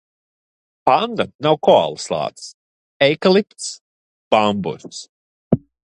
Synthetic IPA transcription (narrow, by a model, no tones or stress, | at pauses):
pand̪anawkɔa̰lˠslˠa̰ːt̪s | ɛjkalˠipt̪s | b̥ambṵɾt̪s